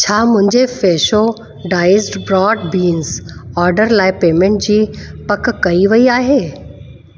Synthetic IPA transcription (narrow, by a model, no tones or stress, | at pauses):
t͡ɕʰaːmʊ̃ɦɪ̃ɲd͡ʑefeːʃo | ɖaːɪɪzʈbɾɔːɖbiːnzɔːɾɖəɾlaːɪpeːmẽɳʈd͡ʑiːpɐkkɐiʋɐiaːɦeː